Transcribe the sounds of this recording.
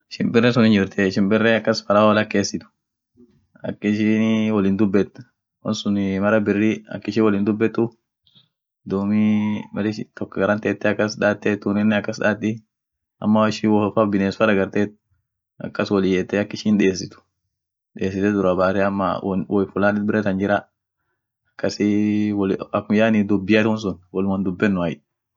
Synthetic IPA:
ɪʃɪnbɪrːɛsʊnɪnd͡ʒɪɾt̪ʰɛɪʃɪnbɪrːɛɐkːɐsfɐɾawɐlɐkːeːsɪt̪ʊ̥ | ɐ̰kːɪʃinwɔlɪnd̪ʊbːɛt̪ː | wɐ̰nsʊnmɐɾɐbɪrːɪɐ̰kːɪʃɪːwɔlɪnd̪ʊbːɛt̪ːʊ | d̪uːmimɐlɪt̪ɔkːɐɡɐɾɐnt̪eːt̪ːɛɐkːɐsᶑaːt̪ːɛt̪ːunɪnːɛɐkːɐsᶑaːt̪ːɪ | ʔɐ̰mːɐɪʃɪwɔfɐbɪneːsfɐɾɐɡɐɾt̪et̪̚ | ɐ̰kːɐswɔlɪjeːt̪ːɛɐkːɪʃɪnᶑɛeːs̬ɪt̪ʊ̥ | ᶑeːsɪt̪ɛd̪ʊɾɐbaːt̪ɛɐmːɐ̰wɔjfʊlaːnɪt̪̚bɪɾɛt̪ɐnd͡ʒɪɾa | ɐkːɐsɪwlɐkːʊjaːnɪd̪ʊbːɪjat̪wɔns̬ʊnwɔlwɐnd̪ʊbːɛnːʊɐj

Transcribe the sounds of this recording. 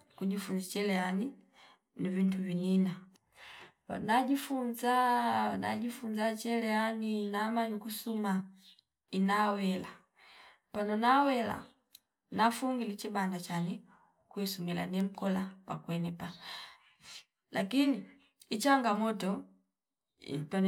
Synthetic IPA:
kuɟifunzat͡ʃɛlɛani | nivintuvinina | naɟifunzana̰ɟifunzat͡ʃɛlɛaninamanikusuma | inawɛla | panɔnawɛla̰ | nafuŋɡilit͡ʃibandat͡ʃani | kwisumila̰nɛm̩kɔlapa̰kwɛnɛpa | la̰kiniː | t͡ʃaŋɡamɔtɔ | pan

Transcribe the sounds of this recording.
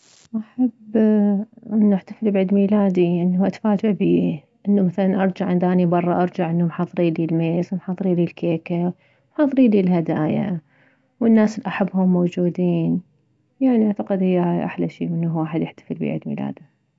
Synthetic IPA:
ʔaħabː | ʔɪnːuʔaħt̪afɪlbiʕid̪miːlaːd̪iʔɪnːhuʔat̪ḁfaːd͡ʒɪʕbiː | ʔɪnːumaθalanʔɑɾˤd͡ʒaʕɪnd̪ʔaːnibɑrˤːɑʔɑɾˤd͡ʒaʕʔɪnːʊmħɑːðˤɾiːlilmeːsmħɑːðˤɨɾiːlilkeːka | mħɑːðˤɨɾiːlilɦad̪aːja̰ | wɪnːaːsɪliʔaħabːhʊmːowd͡ʒuːd̪iːn | jaʕniʔaʕt̪aqɪd̪hɪjːaajʔa̰ħlaʃḭːmɪnːhwaːħɪd̪jɪħt̪ḁfɪlbḭʕɪ̰d̪mḭːla̰ːd̪i

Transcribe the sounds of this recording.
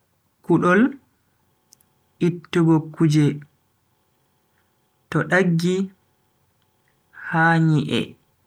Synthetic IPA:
kuɗɔl | ʔitːuɡɔkːud͡ʒɛ | tɔɗaɡːi | haɲiʔɛ̰

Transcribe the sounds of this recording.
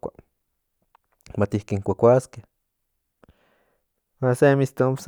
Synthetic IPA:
a̰ | mat̪ihkiŋkʷakʷaskeh | wasemist̪oms

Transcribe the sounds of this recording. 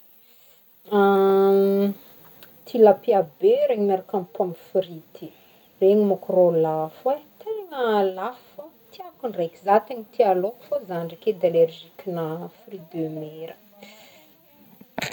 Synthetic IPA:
a | t̪ʰilapiabeɾeɲimaɾakampamifɾit̪i | reɲimakrolafwet̪ʰeŋəlafu | t̪iakuɳrekizat̪eŋit̪ialokfozaɳɖ͡ʐiked̪alerʒikinafrid̪ømeɾə

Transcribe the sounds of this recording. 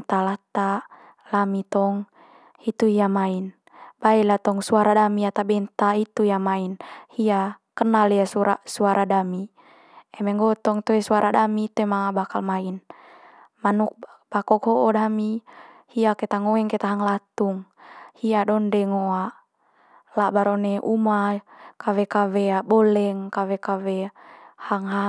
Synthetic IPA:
t̪alat̪a | lamit̪ɔŋ | hit̪uhiamain | baɛlat̪ɔŋsuaɾadamiat̪abɛnt̪ait̪ujamainhia | kənaliasuɾa̰suaɾʔadami | ɛmɛŋɡɔt̪ɔŋt̪ɔɛsuaɾʔadamit̪ɛmaŋabakalmain | manuk̚b̥akɔkɦɔʔɔdami | hiakɛt̪aŋɔɛŋkɛt̪aɦaŋlat̪uŋhiadɔndɛŋoaʔ | labaɾɔnɛʔumakawɛkawɛabɔlɛŋkawɛkawɛhaŋɦa

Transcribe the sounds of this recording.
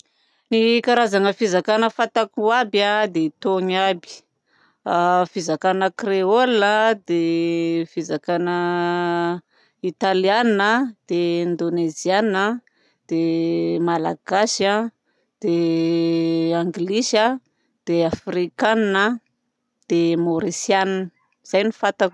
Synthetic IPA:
nikaɾazaŋəfizakanəfat̪akuabad̪eit̪oɲabi̥ | afizakanəkreolnəd̪efizakanə | it̪alianinəd̪̥eind̪onezianə | d̪̥emalaɡ̥asa | d̪̥e | aŋɡlisə | d̪̥eafrikaninə | d̪̥emoɾisianinə | z̥ajnifat̪ak

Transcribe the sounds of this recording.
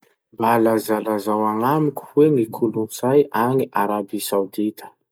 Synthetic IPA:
balazalazawaŋamiku̥wemikʰuluniz̥ajʔaŋiʔaɾabisawd̪it̪ə̥

